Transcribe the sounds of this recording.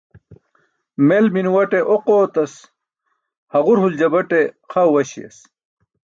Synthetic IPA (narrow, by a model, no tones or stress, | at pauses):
melminwɐʈeʔoqoːt̪ɐs | hɐʁuɾhuld͡ʑɐbɐʈe | qʰɐwwɐɕḭjɐ̰s